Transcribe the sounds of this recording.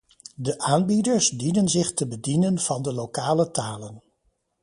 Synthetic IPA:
dəʔaːnbidəɹsdinənzɪχtəbədinənv̥ɑndəlokaːlətaːlən

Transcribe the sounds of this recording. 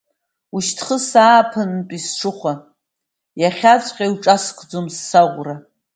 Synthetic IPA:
uʃtʰχəsaːpʰɨntʼisʂɨχʷa | jaχʲat͡sʷʼqʲʼajwʈ͡ʂʼaskʰʼd͡zomsːaʁʷra

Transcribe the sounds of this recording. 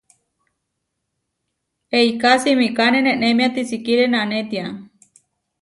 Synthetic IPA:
eikasimĩkanenẽʔnemĩat̪isikiɾenanẽt̪ia

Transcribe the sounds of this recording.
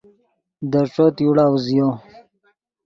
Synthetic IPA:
d̪əʈ͡ʂot̪juɽawzijo

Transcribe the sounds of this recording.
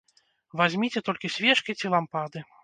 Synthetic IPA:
vazʲmʲit͡sʲɛt̪ɔlʲkʲisʲvʲɛt͡ʂkʲit͡sʲilˠampad̪ɨ

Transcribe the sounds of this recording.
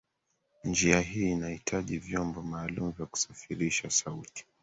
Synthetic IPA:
nd͡ʒiaɦiːnahitʰaʄivjɔmbɔmaːlumuvjaku̥safiɾiʃasauti̥

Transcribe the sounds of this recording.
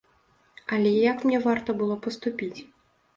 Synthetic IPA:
ɐlʲɛjakmnʲɛvart̪ɐbɨlˠɔpɐst̪upʲit͡sʲ

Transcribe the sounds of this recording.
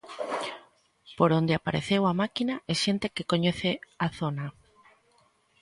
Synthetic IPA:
poɾond̪eapaɾḛθewamakinaʔeʃent̪ekekoɲeθeaθona

